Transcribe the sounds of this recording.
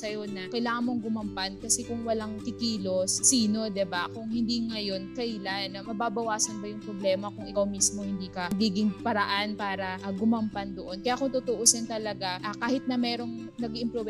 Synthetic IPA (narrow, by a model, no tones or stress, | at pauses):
ɐjo̞nɐkɐjlaːŋɐnmoŋɡʊmɐmpankɐsɛkʊŋwɐlaŋt̪ɪkiːlo̞sːiːno̞d̪ɛbakʊŋhɪnd̪iːŋɐjo̞nkɐjlanːɐmɐbaːbɐwaːsɐnbɐjʊŋpɾoblɛːmɐkʊŋɪkawmismo̞hɪnd̪iːkɐɡiːɡɪŋpɐɾɐʔanpaːɾɐʔɡʊmɐmpand̪oʔo̞nkɐjakʊŋt̪ʊt̪oʔoːsɛnt̪ɐlɐɡaʔakaːhɪt̪̚nɐmɛːɾo̞ŋ | nɐɡɪmpɾob